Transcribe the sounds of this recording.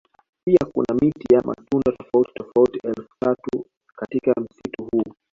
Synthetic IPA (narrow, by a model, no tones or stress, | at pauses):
piakṵnamitijamʔa̰tundatɔfauti̥tɔfautiʔɛlfu̥tatu | katikam̩situhu